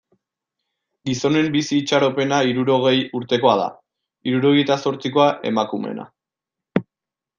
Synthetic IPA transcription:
ɡiso̞ne̞mbisiːt͡ʃaɾo̞pe̞naiɾuɾo̞ɣ̞e̞juɾt̪e̞ko̞að̞a̰ | iɾuɾo̞ɣ̞ejt̪aso̞ɾt͡siko̞aʔe̞makume̞̰na̰

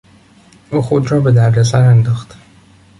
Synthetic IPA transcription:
ʔuːxod̪ɾɒːbe̞d̪æɾd̪esæɾænd̪ɒːxt̪

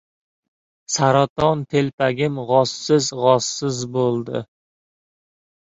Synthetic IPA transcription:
saɾat̪ɒnt̪ʰelpaɡʲɪmʁɒsːɪzʁɒsːɪzbolˠd̪ɪ̰

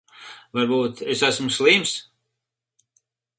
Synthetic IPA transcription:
vaɾbuːt̪esæsmuslˠiːms

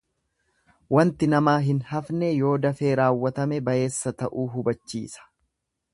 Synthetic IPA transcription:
wɐnt̪ɪnɐmaːɦɪnhɐfnɛjo̞ːd̪ɐfe̞ːɾaːwːɐt̪ɐmɛbɐje̞ːsːɐt̪ɐʔuːɦʊbɐt͡ʃːḭːsɐ̥

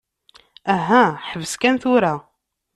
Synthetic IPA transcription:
æɦæħəvəskænθʊɾa

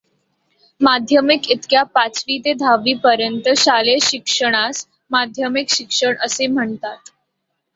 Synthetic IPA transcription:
mad̪ʱjəmikit̪kjapat͡sʋit̪ed̪ʱaʋiːpəɾjənt̪əɕaleɕikʂəɽ̃as | mad̪ʱjəmikɕikʂəɳəsem̤əɳt̪at̪

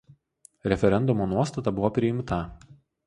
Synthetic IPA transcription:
ɾʲɛfʲɛɾʲɛnd̪ʊmoːnuɔst̪ɐt̪ɐbʊʋoːpʲɾʲɪɪmt̪ɐ

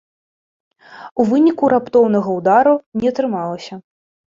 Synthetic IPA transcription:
uvɨnʲikuɾapt̪ɔwn̪ɐɣɐud̪aɾunʲɛɐt̪ɾɨmalˠɐsʲɐ

